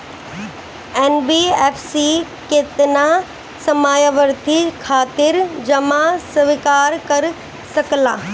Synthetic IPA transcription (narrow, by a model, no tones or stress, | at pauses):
ɛːnbieːfsi | keːt̪ɪna | sɐmaːjaʋəɾt̪ʰikʰaːt̪ɪɾd͡ʑɐmasʋɪkaːɾkɐɾ | sɐklaː